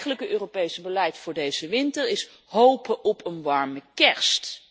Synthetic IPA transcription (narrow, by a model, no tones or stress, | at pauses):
χələkəʔøːropejsəbəlɛjtfʊːɹdejzəʋɪntəɹɪs | ɦowpəʔɔpʰənʋɑɹməkɛɹst